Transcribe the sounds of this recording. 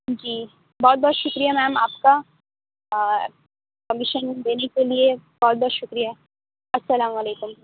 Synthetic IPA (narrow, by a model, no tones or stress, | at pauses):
d͡ʒiː | bɔːt̪̚bɔːt̪ʃʊkɾijamɛːmaːpka | kɐmɪʃənd̪eːnekeliebɔːt̪̚bɔːt̪ʃʊkɾijaɦ | ɐsɐlaːmɐleːkʊm